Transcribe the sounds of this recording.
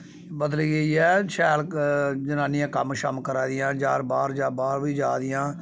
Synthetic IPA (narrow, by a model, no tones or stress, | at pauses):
bəd̪əliːɡəiːɛːʃɛːld͡ʒənaːnɪjãːkəmʃə̰mkəɾaːd̪ɪjãːd͡ʒaːɾbaːɾd͡ʒaːbaːɾʋiːd͡ʒaːd̪ɪjãː